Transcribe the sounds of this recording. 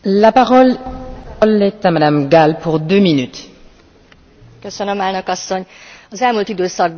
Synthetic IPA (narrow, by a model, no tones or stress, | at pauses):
lapaʁɔl | lɛt̪amad̪amɡalpuʁd̪øːminyt̪ | køsønømaːlnøkɒsːo̞ɲɒzɛlmult̪id̪øːsɒɡ̚b